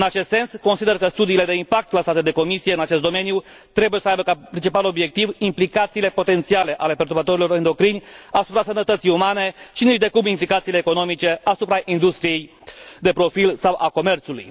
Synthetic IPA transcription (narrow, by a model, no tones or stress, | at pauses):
ɨnat͡ʃe̞st̪se̞nsko̞nsid̪e̞rkəst̪ud̪iːle̞d̪e̞impak̚t̪klasat̪ed̪eko̞misie̞ɨnat͡ʃe̞st̪d̪o̞me̞nju | t̪ɾe̞buje̞səajbəkapɾʲint͡ʃipalo̞bje̞k̚t̪ivimplikat̪siːle̞po̞t̪e̞nt̪siale̞ʔale̞pert̪uɾbat̪o̞ɾilo̞ɾɨnd̪o̞kɾinʲasupɾasənət̪ət̪sijumane̞ʃiniʃd̪e̞kumimplikat̪siːleːko̞no̞mit͡ʃe̞asupɾaʔind̪ust̪ɾije̞j | d̪e̞pɾo̞filsawʔako̞me̞rt̪sulṵj